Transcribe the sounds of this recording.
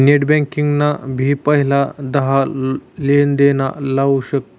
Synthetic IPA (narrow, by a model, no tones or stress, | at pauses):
neʈbɛ̃ŋkiŋɡnabʱiːpəɦilad̪əɦalend̪enalauɕək̚t̪